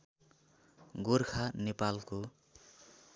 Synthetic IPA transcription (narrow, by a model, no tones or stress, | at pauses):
ɡorkʰanepalko